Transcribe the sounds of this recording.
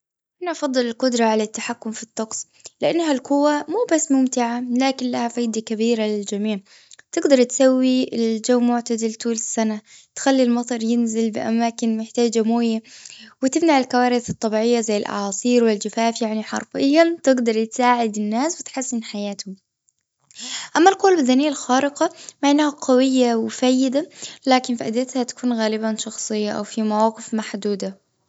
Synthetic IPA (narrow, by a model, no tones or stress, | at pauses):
ʔanaʔɑfɑd̪ˤːɨlɪlqʊd̪ɾˤɑʕalat̪ːaħakːʊmfit̪ˤːɑqsˤ | lɪʔanːɦalkʊwːamuːbasːmʊmt̪ɪʕalaːkɪnlahafaːd̪akabiːɾalɪld͡ʒamiːʕ | t̪ɪɡd̪ɑɾˤt̪sawːiɪld͡ʒawːmʊʕt̪ad̪ɪlt̪uːlɪsːanat̪xalːilmɑt̪ˤɑɾˤjɪnzɪlbɪ̰ʔa̰maːkɪnmɪħt̪aːd͡ʒamoːjawɪt̪ɪmnaʕɪlkawaːɾɪθɨt̪ˤːɑbiːʕɪjːazajːɪlʔa̰ʕɑːsˤiːɾwɪld͡ʒafaːfjaʕniħɑ̰ɾˤfɪjːat̪ɪɡd̪ɑɾˤjɪt̪saːʕɪd̪ɪnːaːswɪt̪ħasːɪnħajaːt̪ʊm | ʔamːalkoːlbad̪aːnijːalxaːɾɪqɑmaʕɪnːhaqɑwɪjːawɪfajːɪd̪alaːkɪnfiʔad̪at̪hat̪ḁkuːnɣaːlɪbanʃɑxsˤɨjːaʔa̰wfimawɑːqɪfmaħd̪uːd̪a